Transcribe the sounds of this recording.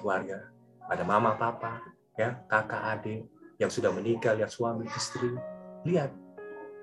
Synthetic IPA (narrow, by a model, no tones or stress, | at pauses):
warɡa | adamamapapa | jakaka̰ʔadɪjaŋsudahməniɡaliat̪suamiʔist̪ɾiliat̪̚